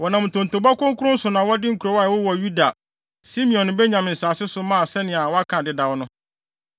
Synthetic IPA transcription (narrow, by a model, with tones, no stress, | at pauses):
wɔ˨nã˨m˨tʰõ˨n̩˨tʰo˨ba˦kʊ̃˦ŋ˦kʊ˦ʊ̃˦n̩˦sʊ˨nã˨wɔ˦dɪ˦ŋ̩˦kʰu˨ɾo˨˦wa˦˨wʊ˦wɔ˨ju˦da˨ | si˦mĩ˨ɔ̃˨ñ˨bɛ˦ɲã˨m˨n̩˨saː˨sɪ˦sʊ˨mã˦˨sɛ˦nɪ̃˨a˨wɔ˦a˦kʰã˨dɪ˦da˨wɔ˦nʊ̃˦